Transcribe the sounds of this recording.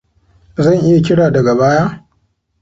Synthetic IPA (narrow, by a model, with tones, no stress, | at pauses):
zɐ˦˨ŋʔɪ˦ja˨k̬ʲɪ˦ɽaː˨dɐ˨ɡa˨baː˦jaː˦